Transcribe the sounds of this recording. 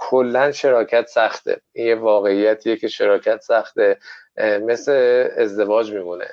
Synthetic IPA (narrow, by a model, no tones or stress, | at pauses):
kʰolːænʃe̞ɾɒːcʰæt̪sæχt̪ʰḛinjevɒːɣe̞ijæt̪ʰiːjecʰe̞ʃe̞ɾɒːcʰæt̪sæχt̪eme̞sleːzd̪e̞vɒːd͡ʒmiːmunḛ